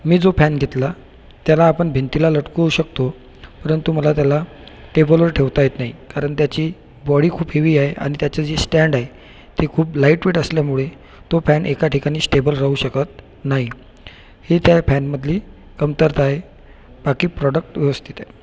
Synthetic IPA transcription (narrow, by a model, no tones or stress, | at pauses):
miːd͡zofænɡʱet̪la | t̪jalaːpəɳbʱent̪ilaləʈkuwɕək̚t̪o | pəɾənt̪uməlat̪jala | ʈebəlʋəɾʈʰeʋt̪ajet̪naɦikaɾəɳt̪jat͡ɕiː | bɔɽiːkʰuːbɦeʋiːaɦeʔa̰ɽ̃it̪jat͡ɕad͡zesʈæɳɖaɦe | t̪ekʰuːplaiʈʋeʈəsljamuɭe | t̪ofænʔekaʈʰikaɽ̃iːsʈebəlɾaɦuɕəkət̪̚ | naɦi | het̪jafænməd̪ʱliː | kəmt̪əɾt̪aɦe | b̥akiːpɾɔɖək̚ʈʋeʋəst̪ʰit̪a